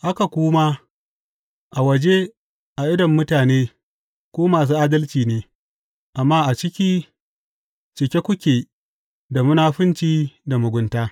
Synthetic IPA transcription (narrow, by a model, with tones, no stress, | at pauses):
ʔa˦ka˨kʷuː˦maː˦ | ʔa˨wɐ˨d͡ʒe˦ | ʔa˨ʔɪ˦dɐ˨mːʊ˦taː˨neː˦ | kʷoː˦maː˨s̬uː˦ʔaː˦dɐ˦lt͡ʃiː˨neː˦ | ʔa˨mːaː˦ʔa˨t͡ʃɪ˦kʲiː˦ | t͡ʃɪ˨kʲe˦kʷʊ˦kʲeː˨ | da˨mʊ˦naː˦ɸɪ˦nt͡ʃiː˦da˨mʊ˨ɡʷʊ˦ntaː˦